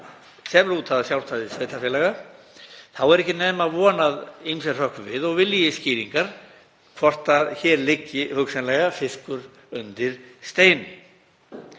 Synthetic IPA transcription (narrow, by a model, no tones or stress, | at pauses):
sɛmɛɾuːt̪ʰθaðasjawl̥st̪aðɪseːjt̪aɾfjɛlɛɣa | θawɛɾɛhcɪneːmavɔːnaðijmsɛr̥œhkvɪðɔɣvɪljɪsciːɾiŋkaɾ̥ | kʰvɔr̥t̪aðçɛːɾlɪcːɪhʏksɛnlɛɣafɪskʏɾ | ʏnt̪ɪɾ̥st̪eːjnʏ